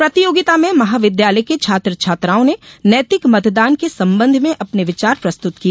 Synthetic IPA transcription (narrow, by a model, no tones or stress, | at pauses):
pɾɐt̪ijoːɡɪt̪amẽmɐɦaːʋɪd̪jaːləjket͡ʃʰaːt̪ɾət͡ʃʰaːt̪ɾaːõnenəːt̪ɪkmɐt̪d̪aːnkesɐ̃mbə̃nd̪ʱmẽʔɐpneʋɪt͡ʃaːɾpɾɐst̪ʊt̪ki